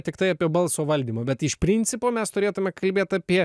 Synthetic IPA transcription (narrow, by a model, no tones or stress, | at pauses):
t̪ʲɪkt̪ɐɪɐpʲiɛbɐlˠsoːʋɐlʲd̪ʲiːmɐːbʲɛt̪ɪʃpʲɾʲɪnʲtsʲɪpoːmʲɛst̪ʊɾʲeːt̪ʊmʲɛkɐlʲbʲeːt̪ɑːpʲiɛ